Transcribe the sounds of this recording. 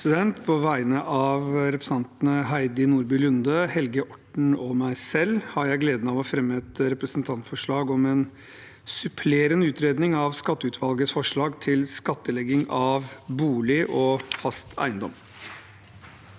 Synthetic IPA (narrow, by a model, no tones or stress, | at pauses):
sɪd̪ɛnt̪pʰɔʋæɪnəʔɑʋɾɛpɾəsn̩ɑnt̪nəɦæɪd̪ɪnuːɾbʏlʉnd̪əhɛlɡəʔɔʈɳ̩ɔmæɪsɛlːhɑɾjæɪɡleːd̪ənɑʋɔfɾɛmːəɛt̪ɾɛpɾəsnt̪ʰɑnt̪fɔʂɭɑːɡɔmɛn | sʉpʰleːɾənʉːt̪ʰɾeːd̪nɪŋɑʋskɑt̪ːəʉːt̪ʰʋɑlɡəsfɔʂɭɑːɡt̪ʰɪlskɑt̪ːəlɛɡɪŋɑʋbuːlɪʔɔfɑst̪ʰæ̰ɪnd̪ɔ̰m